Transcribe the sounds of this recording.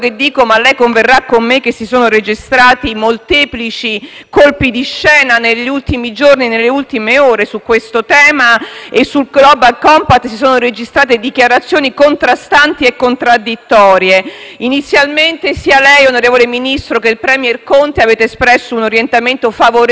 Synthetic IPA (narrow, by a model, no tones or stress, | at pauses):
ked̪ːiːkomalːɛjkoɱverːakːomːekːesːisoːnoɾed͡ʒist̪ɾaːt̪imolt̪ɛːplit͡ʃi | kolpid̪iʃːɛːnaneʎːiult̪imid͡ʒorninelːeult̪imeoːɾesukːwest̪ot̪ɛːmaesːulɡlɔbalkɔmpat̪ːsisoːnoɾed͡ʒist̪ɾaːt̪ed̪ikjaɾat̪sːjoːnikont̪ɾast̪ant̪iekːont̪ɾad̪ːit̪ːɔːɾjeinit̪sːjalment̪esialɛjonoɾeːvoleminist̪ɾokelpɾɛmjɛrkont̪eaveːt̪eːspɾɛsːounoɾjent̪ament̪ofavoɾ